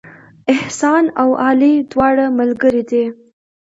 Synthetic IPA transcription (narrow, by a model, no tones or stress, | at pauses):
ɪhsɑnawʔɑlid̪wɑɽaməlɡəɾid̪e